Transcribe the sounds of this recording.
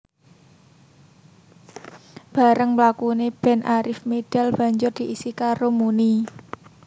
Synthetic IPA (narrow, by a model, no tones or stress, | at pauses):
b̥a̤ɾəŋmlakuneb̥ɛ̤nʔaɾɪfmed̥a̤lb̥a̤ɲd͡ʒʊrd̪̥i̤ʔisikaɾomuni